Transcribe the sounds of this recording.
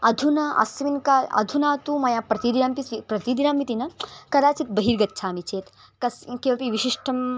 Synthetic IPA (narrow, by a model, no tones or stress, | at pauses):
ɐd̪ʱunɐɐ̰sʋinkaːlɐ̰d̪ʱunaːt̪umɐjaːpɾɐt̪id̪iɾaːmpisipɾɐt̪id̪inaːmpit̪inɐkɐd̪aːt͡ʃit̪̚bɐɦiːɾɡɐt̪ːt͡ʃʰaːmit͡ʃʰeːt̪ | kɐskeʋɐpiʋiʃiʂʈʰɐm